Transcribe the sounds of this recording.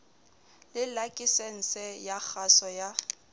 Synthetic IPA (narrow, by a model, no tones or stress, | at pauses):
lɪlakʼɪsɛn̩sɛjak͡xasɔja